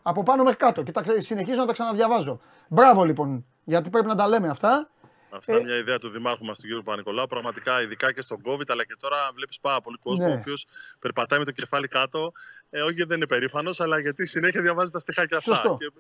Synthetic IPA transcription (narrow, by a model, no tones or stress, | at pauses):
ɐpo̞pɐno̞me̞xɾi̥kɐt̪o̞cet̪ɐksine̞çizo̞nɐt̪ɐksɐnɐðʝɐvɐzo̞ | bɾɐvo̞lipo̞n | ʝɐt̪i̥pɾe̞pinɐt̪ɐle̞me̞ɐft̪ɐ | ɐft̪ɐmɲɐiðeɐt̪uðimɐɾxomɐst̪ociɾjupɐniko̞lɐupɾɐɣmɐt̪ikɐiðikɐce̞st̪o̞ɡo̞vit̪ɐlɐce̞t̪o̞ɾɐvle̞pi̥spɐɾɐpo̞liko̞zneooːpio̞spe̞ɾpɐt̪ɐjime̞t̪oce̞fɐlikɐt̪o̞oçiðeninepe̞ɾifɐno̞sɐlɐʝɐt̪isine̞çiɐðjʝɐvɐzet̪ɐst̪ixɐceɐfsosɐt̪oe